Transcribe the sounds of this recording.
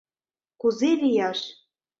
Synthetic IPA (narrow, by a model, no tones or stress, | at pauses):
kuzelʲijɑʃ